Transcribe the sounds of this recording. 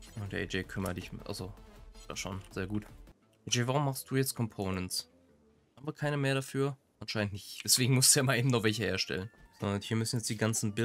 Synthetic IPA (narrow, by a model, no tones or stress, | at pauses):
jaʊnd̥eɐʔḛd͡ʒeːkʰʏmɐt̚d̥ɪçʔa̰lzosd̥a̰ːʃoːnz̥eːɐɡuːt | ʔed͡ʒeːvaʁʊmːaχstd̥uːjɛt͡stkʰɔmpʰoʊnənts | haːmbəkʰaɪnəmeːɐɾafyːɐ | ʔanʃaɪnəntnɪçtd̥ɛsv̥eːɡŋ̩mʊstuaːmanʔeːbm̩nɔχv̥ɛlçəheːɐʃtɛ̰lənz̥ɔndɐnhiːɐmʏsn̩jɛt͡sd̥iːɡant͡sn̩bɪ